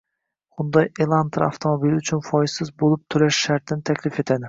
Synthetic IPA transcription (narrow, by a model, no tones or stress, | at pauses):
χʊnd̪ɒjelˠant̪ʰɾa̰ft̪ʰomobilɪʊt͡ʃʰʊnfɒjsɪzbolˠɪp̚t̪ʰʊɾaʃʃaɾt̪ʰɪnɪt̪ʰakʲʰlɪfe̞t̪ʰad̪ɪ